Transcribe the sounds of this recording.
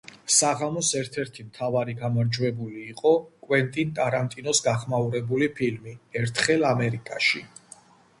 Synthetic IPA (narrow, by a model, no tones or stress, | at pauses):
saʁamɔsɛɾt̪ʰɛɾt̪ʰimt̪ʰavaɾiɡamaɾd͡ʒwɛbuliːqʼɔkʼwɛnt̪ʼint̪ʼaɾant̪ʼinɔsɡaχmauɾɛbulipʰilmiɛɾt̪ʰχɛlˠamɛɾikʼaʃi